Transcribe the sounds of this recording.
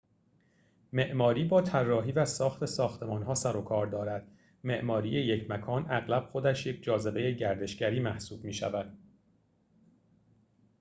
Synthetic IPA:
me̞ʔmɒːɾiːbɒːt̪ʰærːɒːɦiːvæsɒːxt̪ʰe̞sɒːxt̪ʰe̞mɒːnɦɒːsæɾokʰɒːɾd̪ɒːɾæd̪̥ | me̞ʔmɒːɾiːjejecʰmækʰɒːnæɣlæb̥̚xo̞d̪æʃje̞cʰd͡ʒɒːze̞be̞jeɟæɾd̪e̞ʃɟæɾiːmæhsuːb̥miːʃæ̰væd̪̥

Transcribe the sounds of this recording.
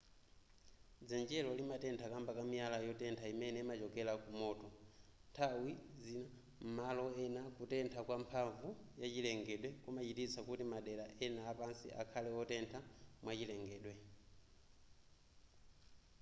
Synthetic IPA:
d͡zɛnd͡ʒɛlɔlimatɛntʰakambakamialajɔtɛntʰaimɛnɛmat͡ʃɔkɛlakumɔːtɔntʰawizina | m̩malɔɛnakutɛntʰakwampʰaɱvujat͡ʃilɛŋɡɛɗwɛkumat͡ʃitit͡sʰakutimaɗɛlaʔɛnaːpansḭʔa̰kʰalɛɔtɛntʰamwat͡ʃilɛŋɡɛːɗwɛ

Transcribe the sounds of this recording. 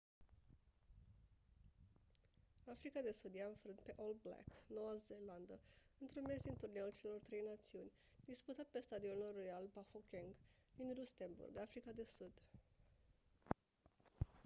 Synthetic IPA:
afɾikad̪e̞sud̪jeaɨɱfɾɨnt̪̚pe̞ʔold̪̚bla̰ksno̞azeland̪əɨnt̪ɾunmesd̪int̪urneult͡ʃe̞lo̞rt̪ɾe̞jnat̪siunʲ | d̪isput̪at̪̚pe̞st̪ad̪ionorojalbafokʲeŋɡd̪inrust̪e̞nbṵrɡafɾikad̪e̞sud̪̥

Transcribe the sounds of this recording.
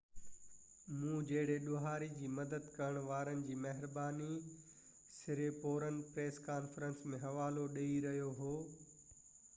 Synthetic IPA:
mũːd͡ʑɐɦɪɽeɗʊɦaːɾid͡ʑiːmɐd̪əd̪kɐɾəɽ̃ʋaːɾənɪ̆d͡ʑiːmɐɦɪɾbaːni | sɪɾepoːɾənpɾeːskaːnfɾə̃nsmẽɦɐʋaːloɗɐiɾɐɦjoɦoː

